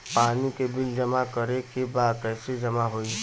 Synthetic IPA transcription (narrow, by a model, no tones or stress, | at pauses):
paːnikebild͡ʒəmakəɾekebaːkəsed͡ʒəmaɦoi